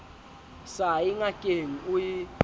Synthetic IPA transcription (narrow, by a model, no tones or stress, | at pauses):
sajiŋakʼeŋ̩uji